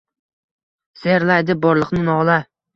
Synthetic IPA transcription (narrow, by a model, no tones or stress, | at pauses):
seɾlajd̪ɪbɒɾlˠɨqnɪnɒʁlˠa